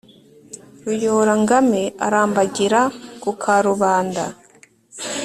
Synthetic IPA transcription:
ɾujoɾaŋɡameaɾaːmbaɟiɾakukʰaɾuβaːnda

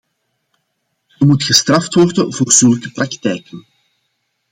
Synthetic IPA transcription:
əmutxəstrɑftwɔrdənvoːrzɵlˠkəpraktɛjkən

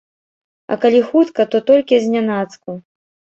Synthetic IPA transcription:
ɐ̰kalʲixut̪kɐt̪ɔt̪ɔlʲkʲizʲnʲanat̪sku

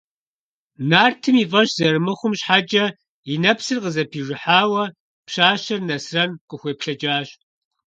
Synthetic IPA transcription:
naːrtʰɨmiːfʼɐɕz̥ɐrɨmɨχʷʊmɕħad͡ʒʼɐ | inɐpsɨrqəzɐpʰiːʐɪħaːwɐ | pɕaːɕɐrnɐsrɐnqəxʷeːpɬɐd͡ʒʼaːɕ

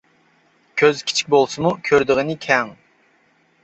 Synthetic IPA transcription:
kʲʰøzkʲʰi̥t͡ʃʰi̥k̚ʲbolˠsɨmukʲʰøɾd̪ɪʁɨnɪkʲʰɛŋ

